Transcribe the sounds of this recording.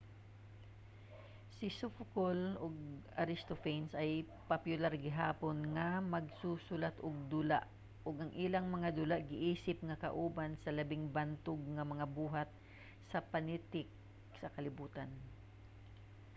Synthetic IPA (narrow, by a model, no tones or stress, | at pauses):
sɪsʊfkoloɡ̚aɾɪst̪ofɛjnsɐj | pɐpjʊlaɾɡɪɦaːponŋɐmɐɡsusʊlat̪ʔʊɡ̚d̪ʊla̰ʔ | ʔoɡʔɐŋʔɪlaŋmɐŋad̪ʊlaʔɡɪʔiːsɪp̚ŋɐkɐ̰ʔuːbansɐlɐbɪŋbant̪ʊɡ̚ŋɐmɐŋabuːɦat̪̚ | sɐpɐnɪt̪ɪk̚ | sɐkɐlɪbuːt̪an